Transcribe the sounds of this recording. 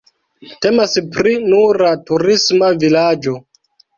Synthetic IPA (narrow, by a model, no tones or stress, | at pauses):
te̞maspɾinuɾatuɾismavilad͡ʒo̞